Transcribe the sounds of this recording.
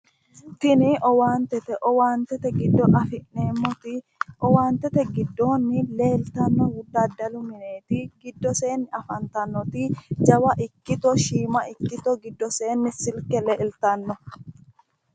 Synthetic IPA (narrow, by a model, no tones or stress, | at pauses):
t̪ɪnɪʔɔwaːnt̪ɛt̪ɛʔɔwaːnt̪ɛt̪ɛɡɪd̪ːɔʔɐfɪʔne̞ːmːɔt̪ɪ | ʔɔwaːnt̪ɛt̪ɛɡɪd̪ːoːnːɪle̞ːlt̪ɐnːɔwʊd̪ːaːd̪ɐlʊmɪneːt̪ɪɡɪd̪ːɔse̞ːnːɪɐfɐnt̪ɐnːɔt̪ɪd͡ʒɐwɐʔɪkːɪt̪ɔʃiːmɐʔɪkːɪt̪ɔɡɪd̪ːɔse̞ːnːɪsɪlkɛleːlt̪ɐnːɔ